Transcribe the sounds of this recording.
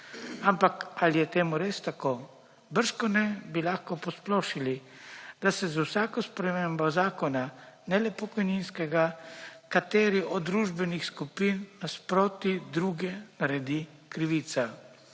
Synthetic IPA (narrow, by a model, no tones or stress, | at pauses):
ampakalijɛt̪eːmuɾeːst̪akoː | bəɾʃkɔnɛbilaxkɔpɔsploːʃilid̪asɛzwsaːkɔspɾɛmembɔzaːkɔnanɛlɛpɔkɔjninskɛɡakat̪eːɾiʔɔd̪d̪ːɾuːʒbɛnixskupinːaspɾoːt̪id̪ɾuːɡɛnaɾɛd̪i | kɾiʋiːt̪sa